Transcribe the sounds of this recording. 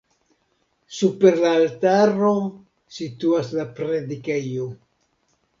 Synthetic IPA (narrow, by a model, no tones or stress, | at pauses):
supe̞ɾlaːltaɾo̞ | situaslapɾedikejo